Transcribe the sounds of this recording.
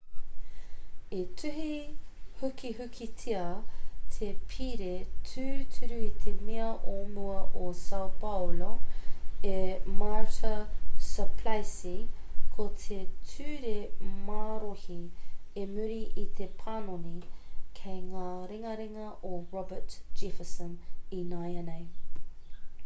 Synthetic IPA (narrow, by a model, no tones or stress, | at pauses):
etʰʉɦihʉkihʉkʰitʰiɐt̪ʰepʰiɾetʰʉtʰʉɾʉit̪ʰemiɐʔomuɐʔosɐwpɐwlo | emaɹtəsəpʰlajsikʰot̪ʰetʰʉːɾemaːɾohiemʉɾiʔit̪ʰepʰanonikʰejŋaːɾeŋɐɾeŋɐʔoɹɔbətd͡ʒ̥ifəsə̃ninajɐnej